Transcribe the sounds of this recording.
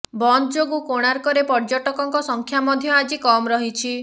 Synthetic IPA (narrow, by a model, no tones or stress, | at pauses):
bɔnd͡ʒoɡukoɽ̃aɾkɔɾepɔɾd͡ʒɔʈɔkɔŋkɔsɔŋkʰjamɔd̪ʱjɔad͡ʒikɔmɾɔɦit͡ʃʰi